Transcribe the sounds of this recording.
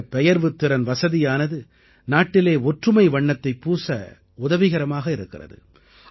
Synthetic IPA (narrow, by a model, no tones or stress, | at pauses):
pɛjɐɾʋɯt̪ːɪɾɐnʋɐsɐðɪjaːnɐðɯ | naːʈːɪleːɔʈrɯmɐɪʋɐɳːɐt̪ːɐɪpːuːsɐ | ʊðɐʋɪɣɐɾɐmaːɣɐɪɾɯkːɪrɐ̰ðɯ̰